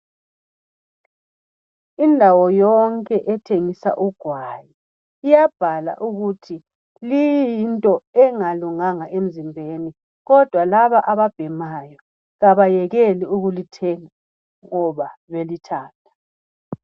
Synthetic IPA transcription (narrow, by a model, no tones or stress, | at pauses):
indʱawɔjɔŋkʼɛʔɛtʰeŋisa̰ʔuɡ̥ʱwajiː | jab̥ʱala̰ʔuɣutʰi | lijjintʼɔɛŋaluŋaŋaʔem̩zimbʱeni | ɣɔd̥ʱwalaβaʔaβab̥ʱɛmajɔ | ɣaβajɛɣɛliuɣulitʰɛŋa | ŋɔβaβelitʰaːtʰḁ